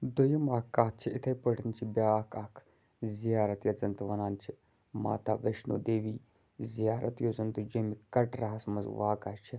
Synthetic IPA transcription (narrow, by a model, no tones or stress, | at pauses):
d̪ojɐmaːkːaːt̪̚t͡ʃʰiɪt̪ʰɐjpəɽnt͡ʃʰibʲaːkʰɐkʰ | zijaːɾɐt̪jɐzɐnt̪uʋɐnaːnt͡ʃʰi | ma̰ːt̪a̰ːʋeʃno̰ːd̪eːʋiː | zijaːɾɐ̰t̪joːzɐnt̪ud͡ʒomikɐʈɾaɦɐsmɐzʋaːkat͡ʃʰi